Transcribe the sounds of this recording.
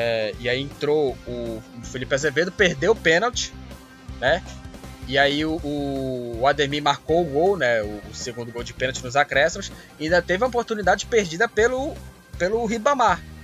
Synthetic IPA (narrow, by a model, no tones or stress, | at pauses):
ɛɪaiẽt̪ɾoʊfilipɪazeved̪ʊpeɾd̪ewʊpẽnawt͡ʃɪ̥ | nɛ | ɪaiʊʔʊad̪eɾmĩmaɾkowʊɡownɛʊːseɡũnd̪ʊɡowd͡ʒɪpẽnawt͡ʃɪnʊzakɾɛsimʊs | ĩnd̪ɐt̪evɪɐopoɾt̪unid̪ad͡ʒɪpeɾd͡ʒid̪ɐpelʊ | pelʊɦibɐ̃maɾ